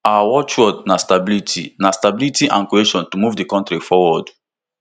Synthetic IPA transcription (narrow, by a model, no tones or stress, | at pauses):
awɔt͡ʃwɔdnastabilitʰḭnastabilitiʔã̰nkieʃɔ̃ntumuvdikɔ̃ntɾifɔwɔd